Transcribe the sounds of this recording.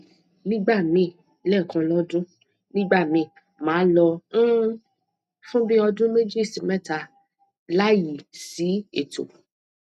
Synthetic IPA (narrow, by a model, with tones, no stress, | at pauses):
nĩ˦ɡ͡ba˦˨mĩ˨˧˨ | lɛ˦˨kã˧lɔ˦dũ˦ | nĩ˦ɡ͡ba˦˨mĩ˧˨ | mãː˨˦lɔ̃˧˦ | fũ˦bĩ˦ɔ˧dũ˦me˦d͡ʒi˦˨si˨mɛ˦˨ta˧ | la˦ji˨si˨˦e˨tʰo̰˨